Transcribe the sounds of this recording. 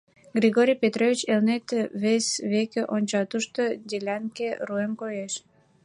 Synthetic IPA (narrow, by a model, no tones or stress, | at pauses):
ɡrʲiɣoɾʲijpʲet̪rovʲit͡ɕelnet̪eβesʲβekeʔonʲt͡ɕɑt̪uʃt̪od̪ʲelʲænkeruemkojeʃ